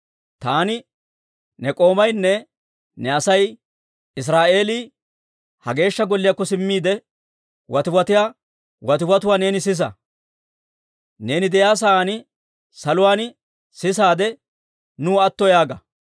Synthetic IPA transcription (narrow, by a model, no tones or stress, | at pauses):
t̪aːnɪ | nɛkʼo̞ːmɐjnːɛ | nɛɐsɐj | ɪs̬ɾaːʔe̞ːliː | hɐɡe̞ːʃːɐɡɔlːɪjakːɔsɪmːiːd̪ɛ | wɐt̪ɪwɐt̪ɪjaː | wɐt̪ɪwɐt̪ʊwaːne̞ːnɪs̬ɪs̬ɐ̰ | ne̞ːnɪd̪ɛjaːs̬ɐaːnɪ | sɐlʊwaːn | sɪs̬aːd̪ɛ | nuːɐt̪ːɔjaːɡɐ